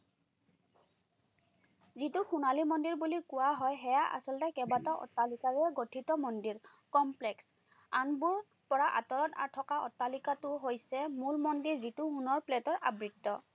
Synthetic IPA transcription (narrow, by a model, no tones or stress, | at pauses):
zitʊxunalimɔndiɹbulikʊwaɦɔjɦɛjaʔa̰sɔltɛkɛbatɔʔɔ̰tːalikaɹɛɡotʰitɔmɔndiɹ | kɔmplɛks | anbuɹ | pɔɹaʔa̰tɔɹɔta̰ɹtʰɔkaɔ̰tːalikatʊɦojsɛmulmɔndiɹzitʊhunɔɹplɛtɔɹʔa̰bɹitːɔ